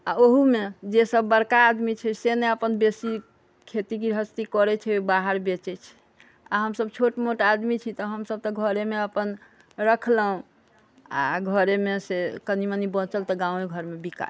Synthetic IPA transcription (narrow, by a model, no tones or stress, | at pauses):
aoɦumed͡ʒesəbːəɾkaːd̪mit͡ʃʰɛseneəpənbesi | kʰet̪ikiɾɦəst̪ikɔɾɛt͡ʃʰɛbaɦəɾbet͡ʃɛt͡ʃʰɛ̥ | a̰ɦəmsəb̚t͡ʃʰoʈmoʈad̪mit͡ʃʰit̪ɔɦəmsəb̚t̪ɔɡʱəɾemeəpən | ɾəkʰləɦũ | a̰ɡʱəɾemesekənimənibɔ̃t͡ʃəlt̪ɔɡãũeɡʱəɾmebika̰